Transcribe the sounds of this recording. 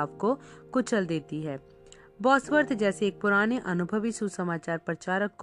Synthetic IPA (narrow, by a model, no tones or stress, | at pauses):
pkokʊt͡ʃəld̪eːt̪iɦɛː | bɔːsʋəɾt̪d͡ʒɛːseːk̚pʊɾaːneʔɐnʊbʱəʋisusəmaːt͡ʃaːɾpɾət͡ʃaːɾəkː